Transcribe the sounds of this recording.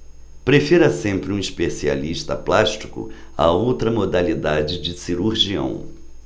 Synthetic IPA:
pɾefiɾɐsẽmpɾɪũispesia̰liʃt̪ɐ̰plaʃt͡ʃi̥kʊ̰ | ɐ̰owt̪ɾɐmod̪alid̪ad͡ʒɪd͡ʒɪsiɾuɾʒiɐ̰̃w̃

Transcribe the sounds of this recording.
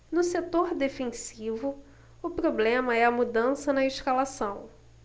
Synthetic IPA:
nʊset̪oɾd̪efẽsivʊ | ʊpɾoblẽmɐɛɐmud̪ɐ̃sɐnɐeʃkalasɐ̃w̃

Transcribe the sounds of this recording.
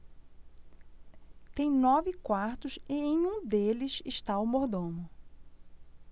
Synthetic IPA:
t̪ẽj̃nɔvɪkwaɾt̪ʊsɪẽj̃ũd̪elɪsɪʃt̪aʊmoɾd̪õmʊ

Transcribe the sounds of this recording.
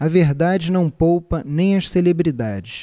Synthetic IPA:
ɐveɦd̪ad͡ʒɪnɐ̃w̃powpɐnẽj̃ɐʃselebɾid̪a̰d͡ʒɪʃ

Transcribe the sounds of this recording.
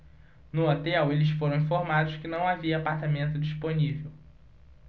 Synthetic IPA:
nʊot̪ɛwelɪsfoɾɐ̃w̃ĩfoɾmad̪ʊskɪnɐ̃w̃aviɐːpaɾt̪amẽnt̪ʊd͡ʒisponivew

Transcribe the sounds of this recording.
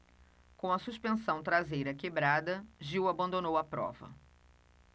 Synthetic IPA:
kõw̃ɐsuspẽsɐ̃w̃t̪ɾazejɾɐkebɾad̪ɐʒiwabɐ̃nd̪onowɐpɾɔ̰vɐ̰

